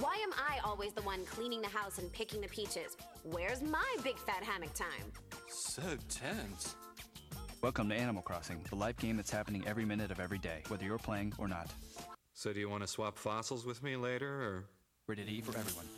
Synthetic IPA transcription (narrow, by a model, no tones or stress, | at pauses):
waɪɨ̃mʔaɪʔɔlˠwizðəwʌ̃nkʰl̥ĩnɪ̃ŋðɨɦaʊsɨ̃npʰɪkɪ̃ŋðɨpʰit͡ʃɪz̥ | wɛɹzmaɪbɪɡ̥fæɾ̚ɦæmɨk̚tʰãɪ̃msoʊtʰɛ̃ns | wɛlˠkə̃mtʰɨæñəml̩ˠkʰɹ̥ɔsɪ̃ŋðəlaɪfɡ̥ẽɪ̃mðɨtshæpənɪ̃ŋʔɛvɹimɪ̃nɨɾʌvɛvɹideɪwɛðə˞jə˞pʰl̥eɪɪ̃ŋə̰˞nə̰t̚ | soʊɾɨjɨwɑ̃ñɨswɑpfɑsl̩ˠzwɨðmileɪɾə˞ə˞ | ɹɪɾɨɾifə˞ɛvɹiwʌ̃n